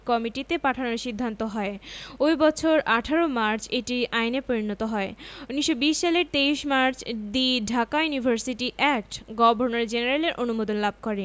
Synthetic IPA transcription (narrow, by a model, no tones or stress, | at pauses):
kɔmiʈit̪epaʈʰanoɾʃid̪ʱːant̪oɦɔeojbɔt͡ɕʰoɾʔaʈʰaɾomaɾt͡ɕʰeʈiʔajnepoɾinɔt̪oɦɔeuniʃːobiʃʃaleɾt̪eiʃmaɾt͡ɕd̪iɖʱakajunibʱaɾsiʈiʔɛk̚ʈɡɔbʱoɾnaɾd͡ʑeneɾaleɾʔonumod̪onlab̚ʱkoɾe